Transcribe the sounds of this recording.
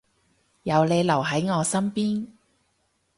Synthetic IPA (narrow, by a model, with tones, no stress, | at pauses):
jɐ˨˧wle˨˧jlɐ˨˩wɦɐ˨˥jŋɔː˨˧sɐ˥mpiː˥n